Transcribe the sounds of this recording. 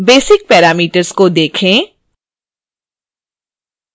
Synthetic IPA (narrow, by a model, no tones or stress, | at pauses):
beːsɪk̚pɛːɾaːmiːʈəɾzkod̪eːkʰẽː